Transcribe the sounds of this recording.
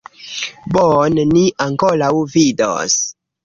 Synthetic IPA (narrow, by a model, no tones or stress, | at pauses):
boneniʔaŋkolawvido̰s